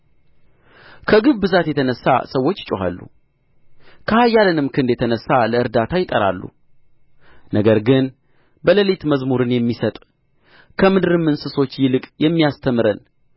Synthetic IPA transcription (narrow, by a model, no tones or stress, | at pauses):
kʰəɡɨβbɨzat̪jɛt̪ʰənəsːa̰səwːo̞t͡ʃːt͡ʃʼoɦa̰lːṵ | kʰəhajːalənɨmkʰɨnd̪jɛt̪ʰənəsːaləɨɾd̪at̪ʰajɪt̪ʼəɾa̰lːṵ | nəɡəɾɡɨn | bələlet̪məzmuɾɨnjɛmːisət̪ʼ | kʰəmɨd̪ɨɾɨmːɨnsɨso̞t͡ʃːjɪlɨkʼjɛmːijast̪ʰəmɨɾən